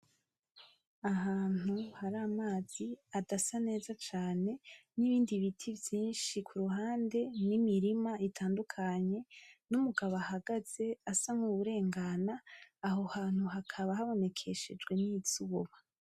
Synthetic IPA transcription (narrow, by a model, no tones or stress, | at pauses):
aɦaːn̥huhaɾaːmaːz̥iadasane̞ːzat͡ʃaːne̞niβiːndiβitʰivjiːnʃikʰuɾuɦaːnde̞nimiɾimaitʰaːndukʰaɲe̞numuɡaβahaɡaz̥e̞asamuβuɾe̞ːŋɡanaːɦo̞haːn̥huɦakʰaβahaβo̞ne̞kʰe̞ʃe̞d͡ʒɡwe̞niz̥uːβa